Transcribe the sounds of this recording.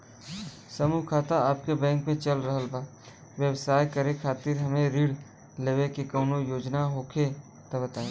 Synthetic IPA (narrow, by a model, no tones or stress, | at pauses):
sɐmuːɦkʰaːt̪aaːp̚kebɛ̃ːŋkmẽt͡ʃɐlɾəɦəlbaː | ʋjəwsaːjkɐɾekʰaːt̪iɾɦɐmẽɾiːɽ | leːʋekekoːnojoːd͡ʒnaɦoːkʰe | t̪ɐbət̪aːẽ